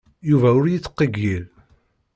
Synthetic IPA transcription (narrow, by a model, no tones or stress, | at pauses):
juvæʊɾjit͡sːqːəɡːil